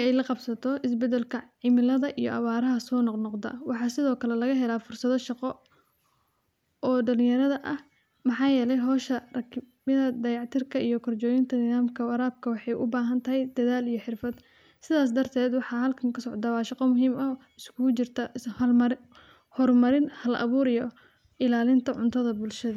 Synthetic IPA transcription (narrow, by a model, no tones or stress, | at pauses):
ɛjlɐqɑbsɐt̪ʰɔɪsbɛd̪ɛlkʰɐʕɪmɪlɐðɐʔijɔ̰ʔɐ̰βaːɾɐɦɐsɔːnɔqnɔqd̪ɐ̰wɑħɑːsɪðɔːkʰɐlɛlɐɣɐɦɛlaːfʊrsɐðɔʃɑqɔ | ʔɔːɖɐlɪjɐɾɐðɐʔɐh | mɑħɑːjɛːlɛjɦɔːʃɐrɐkʰmɪðɐd̪ɐjɑʕt̪ʰɪrkʰɐʔijɔkʰɔrt͡ʃɔːjɪnt̪ʰɐnɪðaːmkʰɐwɐɾaːb̚kʰɐwɑħɑjʔʊ̰baːɦɐnt̪ʰɐɦɛjd̪̥ɐðaːlijɞħɪrfɐd̪ | sɪðaːs̬d̪ɐrt̪ʰɛːd̪wɑħɑɦɐlkʰɐŋkʰɐsɔʕd̪awɑːʃɑqɔmʊɦiːmɐ | ɪskʰʊɣʊt͡ʃɪrt̪ʰɐhmɾ | hɔrmɐɾɪnhɐlʔɐ̰βuːɾijɔ | ɪlaːlɪnt̪ʰɐʕʊ̰nt̪ʰɐðɐbʊlʃɐðɐ